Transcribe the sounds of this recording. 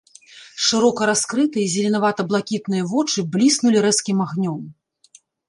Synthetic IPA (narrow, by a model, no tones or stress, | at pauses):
ʂɨɾɔkɐɾaskɾɨt̪ɨjɐzʲɐlʲinavat̪ɐblˠakʲit̪̚nɨjɐvɔt͡ʂɨblʲisnulʲiɾɛskʲimaɣnʲɔm